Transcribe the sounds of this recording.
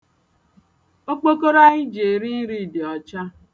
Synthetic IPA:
o˦k͡po˦ko˦ɾa˦ɲɪ˦d͡ʒe˨ɾi˦n̩˦ɾi˦˨dɪ˨ɔ˨t͡ʃa˦

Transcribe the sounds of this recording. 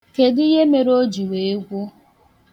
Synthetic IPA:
ke˨dɪ˦je˦me˨ɾo˦d͡ʒi˨we˨e˦ɡʷu˦

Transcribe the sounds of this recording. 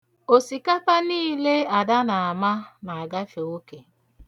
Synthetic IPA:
o˨si˨ka˦pa˦niː˦le˦a˨da˦na˨a˨ma˦na˨a˨ɡa˦fe˨o˦ke˨

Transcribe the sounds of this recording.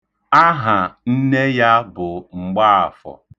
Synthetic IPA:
a˦ɦa˨n̩˦ne˦ja˦bʊ˨ŋ͡m̩˨ɡ͡ba˦a̰˨fɔ̰˨

